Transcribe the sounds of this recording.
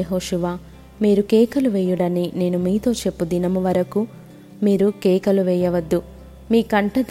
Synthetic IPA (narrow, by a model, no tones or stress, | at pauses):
ɐɦoːʃuʋaː | miːɾukɛːkɐluʋɛːjuɽɐnine̞ːnumiːt̪o̞ːt͡ʃe̞pːud̪inɐmuʋɐɾɐku | miːɾukɛːkɐluʋɛːjɐʋɐd̪ːu | miːkɐɳʈɐd̪